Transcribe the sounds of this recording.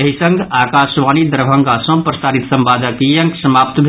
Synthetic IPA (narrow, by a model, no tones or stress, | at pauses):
ɐɦisə̃ɡʱaːkaːʃʋaːnid̪ɐɾbʱɐŋɡaːsõpɾɐsaːɾit̪sɐ̃mbaːd̪ʱəkijɐ̃ŋksɐmaːp̚t̪bʱ